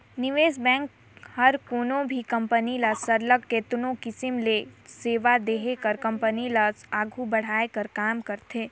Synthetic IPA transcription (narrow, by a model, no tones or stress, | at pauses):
nɪʋeːsbɛ̃ːŋk | hɐɾkoːnõbʱikɐ̃mpənilaːsəɾləɡkeːt̪nõkɪsɪmleːseːʋad̪eːɦekəɾkɐ̃mpənilasaːɡʱubɐɽ̤aːekəɾkaːmkɐɾt̪eː